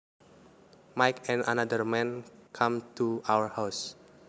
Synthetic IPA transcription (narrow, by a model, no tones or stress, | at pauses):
majkʰɛ̃na̰nadərmɛ̃nkʰãmt̪uawəɹhaws